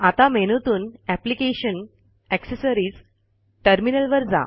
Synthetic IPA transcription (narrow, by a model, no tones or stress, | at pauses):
at̪ameñut̪uːnæplikeɕən | ɛksəsəɾiːd͡z | ʈəɾminəlʋəɾd͡za̰